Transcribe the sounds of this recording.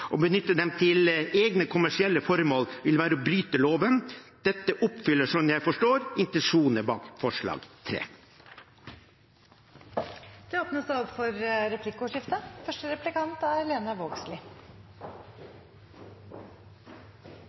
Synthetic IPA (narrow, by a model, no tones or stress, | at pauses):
ʔɔbənʏt̪ːəd̪ɛmt̪ʰɪleːɡnəkʰʊmæʂɪɛlːəfɔɾmoːlʋɪlʋæːɾəɔbɾyːt̪əloːʋənd̪̥ɛt̪ːəʔʊpfʏlːəʂɔnjæɪfɔʂʈoːɾɪnt̪ɛnʂuːnəbɑ̰ːkfɔʂɭɑ̰ːɡt̪ʰɾḛː | d̪̥ɛoːpnəsæɔpfɔɾɾɛpʰlɪkːəɔːʂɪft̪əfœʂʈəɾɛplɪkɑnt̪æɾleːnɑʋoːɡslɪ